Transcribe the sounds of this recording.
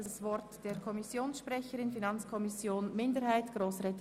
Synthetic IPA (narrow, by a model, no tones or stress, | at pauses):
svɔɾtd̥eːkʰɔmɪsjoːnsʃpʁɛçəɾɪnfinɑnt͡skʰɔmɪsjoːnmɪndəɾhaɪtɡ̥ʁoːsʁɛt